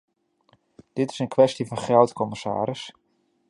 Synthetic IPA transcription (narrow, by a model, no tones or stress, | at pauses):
d̥ɪtɪ̥sənkʰʋɛstivɑnχrawtkʰɔməsa̰ːɾɪs